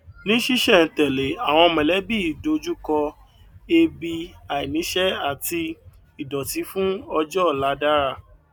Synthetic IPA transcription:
nĩ˦ʃi˦ʃɛ˦˨tɛ˨le˨a˨w̃ɔ̃˧mɛ̃˨lɛ˨˦bi˦˨do˨˦d͡ʒu˦kɔ˧ | e˧bi˧a˨i˨nĩ˨˦ʃɛ˦a˦˨ti˧ | i˨dɔ˨ti˨˦fũ˦ɔ˧d͡ʒɔ˦˨la˨˦da˦ɾa˦˨

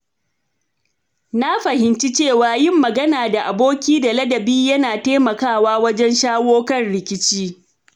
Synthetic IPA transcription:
na˦ɸɐ˨hɪ˨nt͡ʃi˦t͡ʃeː˦˨waː˨jɪ˦˨mːɐ˨ɡɐ˦naː˨da˨ʔa˨boː˦kʲiː˦da˨lɐ˦dɐ˨biː˦jɐ˦naː˨teː˦mɐ˨kaː˦˨waː˦wɐ˦d͡ʒɛ˦nʃaː˦woː˦kɐ˦˨nɽɪ˨kʲɪ˦t͡ʃiː˦

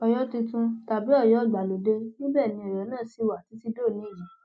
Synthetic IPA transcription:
ɔ˧jɔ˦ti˧tũ˧ta˨bi˨˦ɔ˦˨jɔ˦˨ɡ͡ba˨lo˨de˧nĩ˦bɛː˦˨nĩ˧ɔ˨jɔ˨˦nãː˦˨si˨˦wa˨ti˨˦ti˦do˦˨nĩ˨˦i˦˨jĩ˨

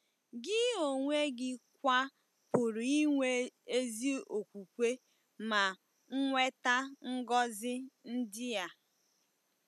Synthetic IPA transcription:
ɡɪ˦o˨ŋʷe˦ɡɪ˦k̚ʷa˦ | pʊ˨ɾi˦ŋʷe˦e˦zi˦o˨kʷu˨kʷe˦ | ma˨ | ŋ̩˦ŋʷe˦ta˦ŋ̩˦ɡɔ˦zɪ˦n̩˦dɪ˦ja˦

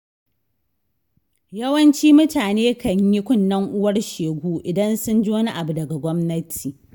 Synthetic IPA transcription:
jɐ˦wɐ˦nt͡ʃiː˦mʊ˦taː˨neː˦kɐ˦ɲji˦kʷʊ˦nːɐ˦ŋʔʊ˦wɐ˦rʃeː˨ɡʷuː˦ʔɪ˨dɐ˦nsʊ˦nd͡ʒoː˦ni˦ʔa˨bu˨dɐ˨ɡa˨ɡʷɔ˦mnɐ˦tʰiː˨

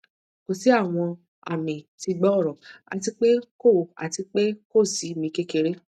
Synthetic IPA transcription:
ko˨si˨˦a˦˨w̃ɔ̃˧ | a̰˨mĩ˨ti˧ɡ͡bɔ˦˨ɾɔ̃˨a̰˧ti˧k͡pe˦ko˦˨a̰˨ti˧k͡pe˦ko˦˨si˨˦mĩ˧ke˦ke˧ɾe˦

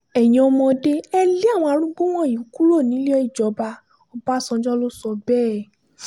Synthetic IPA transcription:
ɛ˨j̃ĩ˨ɔ˧mɔ̃˧de˦ɛ˦le˦a˦˨w̃ɔ̃˧a˧ɾ̃ũ˦ɡ͡bo˦w̃ɔ̃˦˨ĩ˨˦ku˦ɾo˦˨nĩ˨˦le˦ɔ˧˦i˦˨d͡ʒɔ˨˦ba˧ | ɔ˧ba˦˨sɔ̃˧d͡ʒɔ˦lo˦sɔ˧bɛː˦

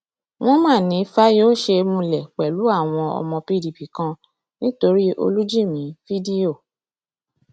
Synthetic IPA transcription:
w̃ɔ̃˦mãː˦˨nĩ˨˦fa˦joː˦ʃe˧mũ˧lɛ˨k͡pɛ˨lu˨˦a˦˨w̃ɔ̃˧ɔ̰˧mɔ̃˧pi˦di˨pi˨kã˧ | nĩ˦to˧ɾi˦ʔo̰˧lu˦d͡ʒi˦˨mĩ˨˦fi˦di˦o˦˨

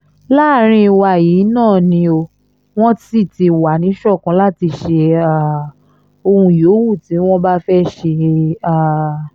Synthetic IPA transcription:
la˦˨˦ɾ̃ĩ˧wa˧˨ji˨˦nãː˦˨nĩ˧o˧ | w̃ɔ̃˦ti˦˨ti˧wa˨nĩ˨˦ʃɔ˦˨kã˧˦la˦˨ti˧ʃe˧a˦˨ | o˧hũ˧joː˨˦wu˦˨ti˨˦w̃ɔ̃˦ba˦fɛ˦ʃe˧a˦˨

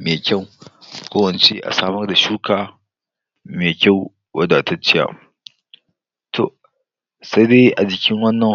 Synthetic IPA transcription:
meː˨kʲa˦˨wkʷoː˦wɐ˨nt͡ʃe˦ʔa̰˨saː˦mɐ˦rda˨ʃuː˦kʰaː˨ | meː˨kʲa˦˨w | wɐ˦da˨tɐ˦t͡ʃːɪ˦ja̰ː˨ | tʰo̰˨ʔ | sa˦jdeː˦ʔa˨d͡ʒɪ˨kʲɪ˦ŋwɐ˦nːɐ˨

